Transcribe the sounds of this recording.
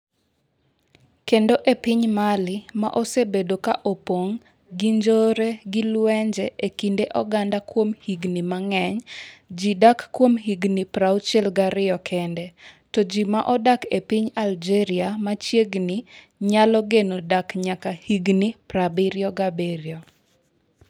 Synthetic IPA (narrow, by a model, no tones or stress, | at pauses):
kendoʔepɪɲmalɪma̰ʔosebedokaʔopoŋ | ɡiɲd͡ʒoɾeɡilwɛɲd͡ʒɛʔekindeʔɔɡandakwomhiɡnimaŋɛɲd͡ʒidakːwomɦiɡnipɾawt͡ʃɛlɡaɾɪjɔkʰɛndɛtɔd͡ʒimaʔɔdakepiɲald͡ʒɛɾɪamat͡ʃjeɡni | ɲalɔɡenodakɲakahiɡnipɾabiɾjɔɡabeɾjɔ